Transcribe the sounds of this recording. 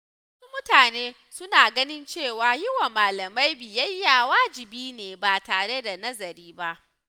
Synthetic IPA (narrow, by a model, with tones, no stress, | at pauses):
wwsu˦mʊ˦taː˨neː˦ | sʊ˦naː˨ɡɐ˦nɪ˦nt͡ʃeː˦˨waː˨jɪ˦wa˨maː˨lɐ˨ma˦jbɪ˨jɐ˦jːa˨waː˦d͡ʒɪ˨biː˦neː˨baː˨taː˨ɽe˦da˨nɐ˦zɐ˨ɾiː˦ba˦ʔ